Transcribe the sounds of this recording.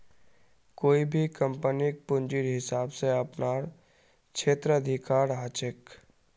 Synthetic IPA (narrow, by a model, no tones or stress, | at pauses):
koːibʱikə̃mpənik̚pʊ̃nd͡ʒiɾɦɪsaːbseɐpnaːɾ | kʃʰeːt̪ɾəɐd̪ʱɪkaːɾɦaːt͡ʃɪk